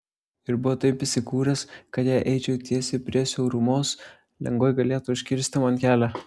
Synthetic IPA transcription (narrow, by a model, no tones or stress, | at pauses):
ɪɾbʊʋoːt̪ɐɪpʲɪsʲɪkuːɾʲɛskɐt̪jæʔɛɪt͡ʃʲɛʊt̪ʲiɛsʲepʲɾʲiɛsʲɛʊɾʊmoːs | lʲɛ̰ŋɡoːɪɡɐlʲeːt̪uʊʃʲkʲɪɾʲsʲt̪ʲɪmɐnʲkʲæːlʲæ